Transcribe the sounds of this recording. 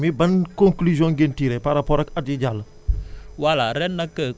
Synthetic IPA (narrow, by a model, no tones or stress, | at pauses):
mibɐnkõŋklyzjɔ̃ŋɡentiːɾɛpaɾapɔːɾɐkɐtjiɟalə | walaɾɛnːɐkːə